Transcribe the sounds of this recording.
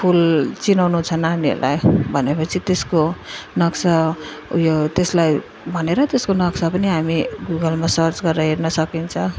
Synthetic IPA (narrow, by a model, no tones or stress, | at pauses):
pʰult͡sinawnut͡sʰʌnaniḛlʔa̰jbʱʌnepʌt͡sʰit̪eskonʌksajot̪eslaj | bʱʌneɾʌt̪eskonʌksapʌniɦamiɡuɡʌlmasʌɾt͡sɡʌɾːʌɦeɾnʌsʌkint͡sʰʌ